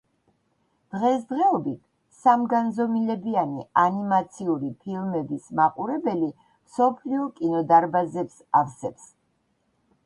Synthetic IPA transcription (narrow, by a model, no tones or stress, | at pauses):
d̪̥ʁɛsd̪ʁɛɔbit̪ʰ | samɡanzɔmilɛbianianimat̪sʰiuɾipʰilˠmɛbismaqʼuɾɛbɛli | msɔpʰliɔkʼinɔd̪aɾbazɛpsafsɛps